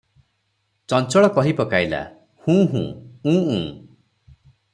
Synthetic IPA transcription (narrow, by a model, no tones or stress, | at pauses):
t͡ʃɔnt͡ʃɔɭɔkɔɦipɔkajla̰ | hũːɦṵ̃ːũːṵ̃ː